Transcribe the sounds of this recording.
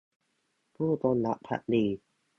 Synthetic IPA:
pʰuː˥˩t̪o˧nla̰˨˦ʔpʰa̰˧˥ʔ̚diː˧

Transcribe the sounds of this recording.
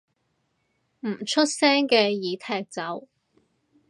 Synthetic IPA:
m̩˨˩t͡ʃʰɵ˥t̚sɛː˥ŋkɛː˧jiː˨˥t̪ʰɛː˧k̚t͡sɐ˨˥w

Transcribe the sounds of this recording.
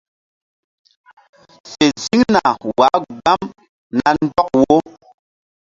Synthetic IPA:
se˨zi˦ŋna˨wa˨˦ɡ͡ba˦m | na˨n̩˦dɔ˦k̚wo˦

